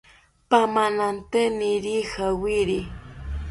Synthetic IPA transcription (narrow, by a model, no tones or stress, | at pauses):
pamanant̪eniɾixawiɾi